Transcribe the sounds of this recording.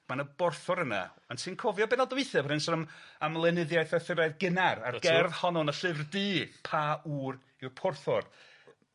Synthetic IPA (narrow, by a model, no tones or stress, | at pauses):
manəbɔrθɔɾəna̰ | ansʰɨnkʰɔvjɔbɛnɔlˠdəwɪθɛbrɪnsɔnəmamlˠɛnɨðjajθɛθɪɾaɨðɡɪnara̰rɡ̥ɛrðhɔnɔnəɬɨvrdɨːpʰauːr | ɪrpʰɔrθɔr